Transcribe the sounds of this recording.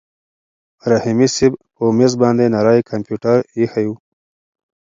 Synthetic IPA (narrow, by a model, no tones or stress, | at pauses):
ɾahimisɪbpəmesbɑnd̪enaɾɑjkʰampjuʈaɾihaju